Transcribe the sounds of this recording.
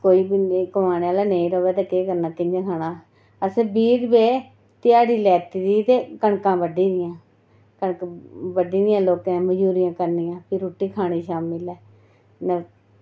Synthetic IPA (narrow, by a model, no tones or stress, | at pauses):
koːiːbikəmaːnːaːlaːneːĩɾoːʋɛːt̪eːkeːkəɾnaːt̪ɪɲd͡ʒakʰaːnaː | əsbiːɾbeː | t̪ɪjaːɽiːlɛːt̪iːd̪iːt̪eːkəɳkãːbəɖiːd̪ɪjãː | kəɳkbəɖiːd̪ɪjãːloːkãːməd͡ʒuːɾɪjãːkəɾnɪjãːpʰɪɾuːʈːiːkʰaːɽ̃eːʃaːmɪlɛː | nɛ